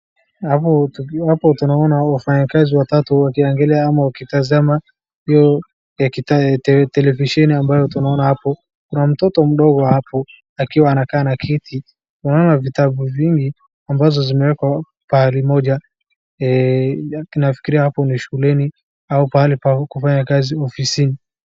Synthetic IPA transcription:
hapɔtuhapɔtunaɔnawafaɲakaziwatatuwakiaŋɡɛlɛaamawakitazama | hijɔ | ɛkitatɛtɛlɛviʃɛniambajɔtunaɔnahapɔ | kunam̩tɔtɔm̩ɗɔɣɔwhapɔ | akiwaːnakaːnakʰɛtʰi | tunaɔnavitaɓuviŋɡi | ambazɔzimɛwɛkwa | pahalimɔʄa | ɛ | nafi̥kiɾiahapɔniʃuulɛni | aupaalipakufaɲakaziɔfisini

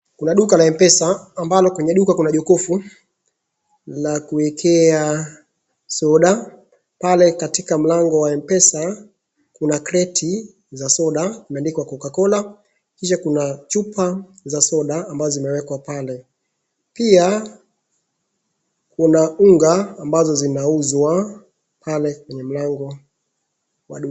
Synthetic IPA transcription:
kunaɗukalaɛmpɛsaːmbalɔkwɛɲɛɗukakunaʄɔkɔfu | lakuɛkʰɛa | sɔɗa | palɛkatikam̩laŋɡɔwaɛmpɛsa | kunakɾɛtʰi | zasɔɗamandikɔwakɔkakɔla | kiʃakunat͡ʃupazasɔɗaːmbazɔzimɛwɛkwapalɛ | pia | kunauŋɡaːmbazɔzinauzwa | palɛkwɛɲɛm̩laŋɡɔ | wa̰ɗu

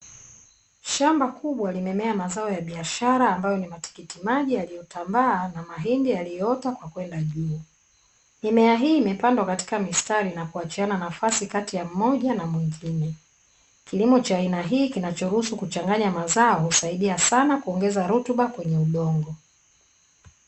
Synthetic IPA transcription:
ʃambakʰuɓwalimɛmɛamazaɔjaɓiaʃaɾaːmbajɔnimati̥kitimaʄialijɔtambaanamaɦindialijɔɔtakwakwɛndaʄuː | nimɛaɦiːmɛpandwakati̥kamistaɾinakuat͡ʃiananafasikatijam̩mɔʄanamwiŋɡinɛ | kilimɔt͡ʃaːinaɦiːkinat͡ʃɔɾuhusukut͡ʃaŋɡaɲamazaɔhusaiɗiasanakuɔŋɡɛzaɾutuɓakwɛɲɛuɗɔŋɡɔ

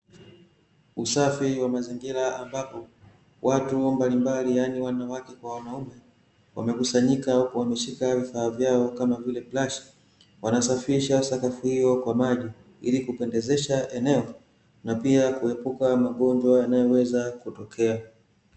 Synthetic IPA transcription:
usafiwamaziŋɡiɾaambapɔ | wʔatumbalimbalijaniwanawakɛkwawanaumɛ | wa̰mɛkusaɲikauwamɛʃikavifaːvjaɔkamavilɛplaʃi̥ | wanasafiɾiʃasakafuhijɔkwamaʄi | ḭlikupɛndɛzɛʃaʔɛnɛɔ | napiakuɛpukamaɠɔɲd͡ʒwajanajɔwɛzakutɔkʰɛa

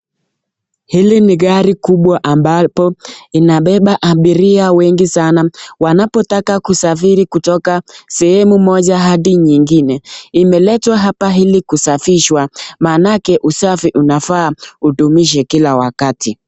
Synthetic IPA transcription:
hiliniɣaɾikuɓwaʔambapɔinaɓɛɓaʔaɓiɾiawɛŋɡisanawanapɔtakakusafiɾikutɔkasɛhɛmumɔʄaɦaɗiɲiŋɡinɛimɛlɛtwaɦapaɦilikusafiʃwamanakɛʔusafiʔunafaːutumiʃ̬ɛkilawakati

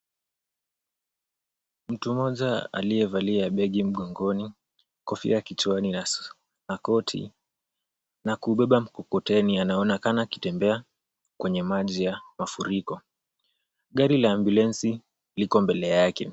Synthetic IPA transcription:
m̩tumɔʄaa̰lijɛvaliaɓɛɠim̩ɠɔŋɡɔni | kɔfḭjakit͡ʃuanin | nakɔtʰḭ | nakuɓɛɓam̩kɔkɔtɛnianaɔnakanaki̥tɛmbɛa | kwɛɲɛmaʄijamafuɾikɔ | ɠaɾilaːmbulɛnsi | likɔmbɛlɛjakɛ

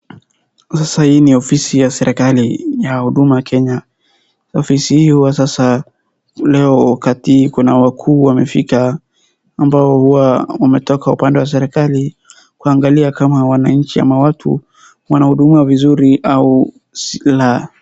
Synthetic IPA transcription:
sasahiːniɔfisijasɛɾʔɛkalijahuɗumakʰɛɲa | ɔfisihiːhuwasasa | lɛɔwakatikunawakʰuːwamɛfikaː | mbaɔhuwawamɛtɔkaupandɛwas̬ɛɾɛkali | kuaŋɡaliakamawanaɲ̩t͡ʃia̰mawatʰṵ | wanahuɗumiavizuɾiʔau | sila

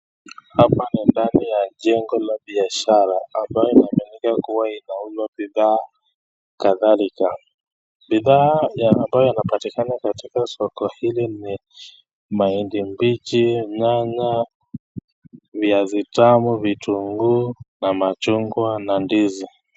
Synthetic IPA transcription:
hapanindanijaʄɛŋɡɔlaɓiaʃaɾaːmbajɔinaːmɛnikakuwainaulwabiðaː | kaðalika | ɓiðaːjaːmbajɔinapatikanakatikasɔkɔhilini | maindimbit͡ʃiɲaɲa | viazitamuvituŋɡunamat͡ʃuŋɡwanandizi

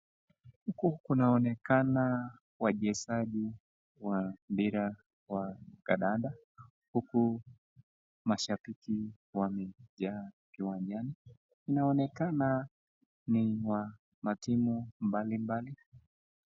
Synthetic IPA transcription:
hukukunaɔnɛkana | waʄɛsaʄi | wambiɾa | wakaɗaɗa | huku | maʃafiki | wamɛʄa | kiwand͡ʒaniː | naɔnɛkana | niwa | matimumbalimbali

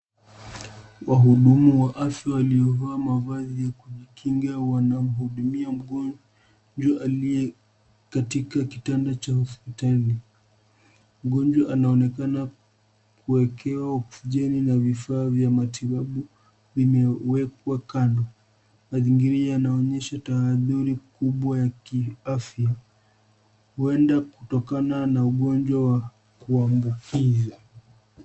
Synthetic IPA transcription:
waɦuɗumuwaʔafjawalijɔvaːmavazijakuʄikʰiŋɡawanam̩ɦuɗumiam̩ɠɔ | d͡ʒwaʔaliɛ | katikaki̥tandat͡ʃahɔspitali | m̩ɠɔnd͡ʒwaʔanaɔnɛkana | kuɛkʰɛwau̥fuʄɛninavifaːvjamatʰiɓaɓu | vimɛwɛk̚wakandɔ | maziŋɡiɾiajanaɔɲɛʃataːðuɾikuɓwajakiafja | huɛndakutɔkananauɠɔɲd͡ʒwawa | kuambukʰiza

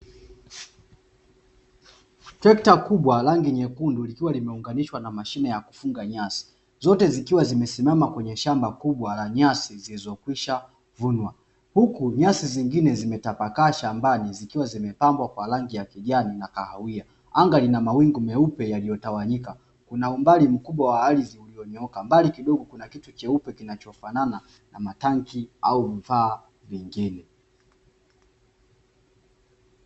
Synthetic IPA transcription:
tɛktakuɓwalaŋɡiɲɛkundulikiwalimɛuŋɡaniʃwanamaʃinɛjaku̥fuŋɡaɲasi̥ | zɔtɛzikiwazimɛsimamakwɛɲɛʃambakuɓwalaɲasizilizɔkwiʃa | vunwa | hukuɲasiziŋɡinɛzimɛtapakaʃambanizikiwazimɛpambwakwalaŋɡijakiʄaninakahawia | aŋɡalinamawiŋɡumɛupɛjalijɔtawaɲika | kunaumbalim̩kuɓwawaaliziuliɔɲiɔkambalikiɗɔɠɔkunakitut͡ʃɛupɛkinat͡ʃɔfanana | namataŋkiauvifaː | viŋɡinɛ

